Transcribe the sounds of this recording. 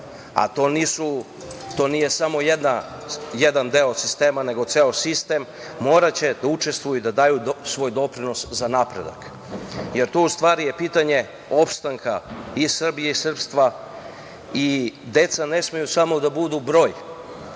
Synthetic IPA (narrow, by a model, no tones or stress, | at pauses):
a̰t̪oːniːsu | t̪o̞nije̞samo̞jed̪na | jed̪and̪eosist̪e̞ːmane̞ɡo̞t̪seosist̪emː | o̞ːɾat͡ɕe̞d̪aut͡ʃe̞st̪ʋujud̪ad̪aːjusʋo̞jd̪o̞pɾino̞szanapɾe̞̰d̪a̰k | je̞ɾt̪oust̪ʋaːɾije̞piːt̪aɲe̞ | o̞pst̪aŋkʰaisr̩bijeisr̩pst̪ʋa | id̪e̞t̪sane̞smejusamo̞d̪abud̪ubɾo̞ːj